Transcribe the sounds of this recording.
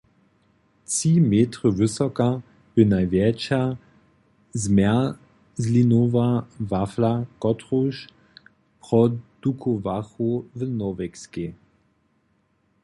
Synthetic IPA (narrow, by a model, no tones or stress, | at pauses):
t͡simeːtʁəvɪsɔka | b̥ənajvjɛt͡ʃa | zmɛ | zlinovavaflakɔtʁoʃ | pʁɔd̪̥ukʰovaxuvənɔvɛkske